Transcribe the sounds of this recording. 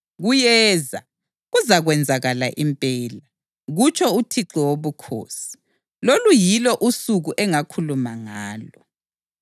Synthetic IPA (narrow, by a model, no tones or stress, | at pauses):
ɣujɛːza̰ | ɣuzaɣwɛnd͡zʱaɣala̰ʔimpʼɛːla | ɣut͡ʃʰʼɔutʰiǁiwoβukʰo̰ːsi̥ | lolujilɔʔusuɣuʔɛŋakʰulumaŋaːlɔ